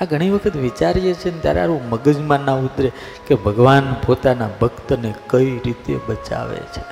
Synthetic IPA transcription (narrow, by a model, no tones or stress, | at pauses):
aɡʱəɽ̃iʋəkʰət̪ʋit͡ʃaɾjet͡ʃʰent̪ja̰ɾaɾũməɡəd͡ʒmãnaud̪ɾe | kebʱəɡʋanpot̪anabʱəkt̪ənekəiɾit̪ḛbət͡ʃa̰ʋḛt͡ʃʰe̥